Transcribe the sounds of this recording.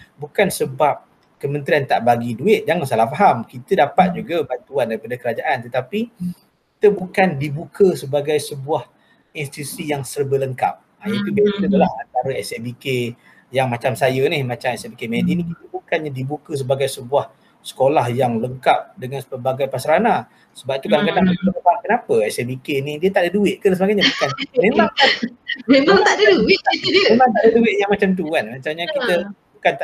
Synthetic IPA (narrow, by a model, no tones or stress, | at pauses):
bukansəbap̚ | kəmə̃nt̪ɾiant̪aʔbaɡiduɪt̪̚d͡ʒaŋansalahfaɦamkit̪ədapat̪̚d͡ʒuɡabant̪uandaɾipadakəɾad͡ʒaʔant̪ət̪api | kit̪əbukandibukʰəsəbaɡajsəbuah | insit̪it̪usijaŋsərbələŋka̰p̚ | ait̪ukit̪əkit̪əbəlahant̪aɾəɛsɛbike | jaŋmat͡ʃamsajənihmat͡ʃamɛsɛbikemɛdinikit̪əbukanɲadibukəs̬əbaɡajsəbuah | sə̥kolahjaŋləŋkap̚dəŋansəpəbaɡajpasaɾana | səbap̚it̪ukadaŋkadaŋbəət̪ət̪əbakənapəɛsɛbikenidiət̪aʔdəduɪʔ̪̚kənsəbaɡajɲabukanmemakamemãŋt̪adədɪemãŋt̪aʔdəduɪʔ̪̚jaŋmat͡ʃamt̪̬uanmat͡ʃamɲakit̪əbukant̪